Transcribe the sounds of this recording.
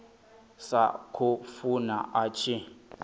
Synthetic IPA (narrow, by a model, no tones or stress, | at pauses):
sa̰kʰʊfunaʔat͡ʃʰi